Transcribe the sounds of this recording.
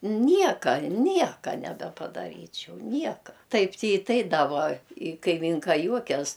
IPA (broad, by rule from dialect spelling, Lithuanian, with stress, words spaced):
ˈnʲiɛkɐ ˈnʲiɛkɐ nʲɛbʲɛpɐdɐˈrʲiːt͡ʃʲɛʊ ˈnʲiɛkɐ ˈtɐɪp tʲɪ ɪ ˈtɐɪ dɐ ˈʋuɔ ɪ kɐɪˈmʲiːŋkɐ ˈjuɔkʲɛs